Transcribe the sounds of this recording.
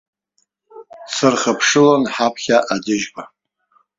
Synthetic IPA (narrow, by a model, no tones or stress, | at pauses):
sɨrχəpʰʂɨlonħapʰχʲaʔadɪʒba